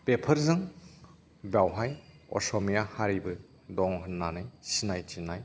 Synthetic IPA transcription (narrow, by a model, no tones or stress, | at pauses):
pepʰɐɾzɯŋ | bawɦaj | ɔ̰sɔmijahaɾibɯ | dɔŋɦɯnːanɯjsinajtinaj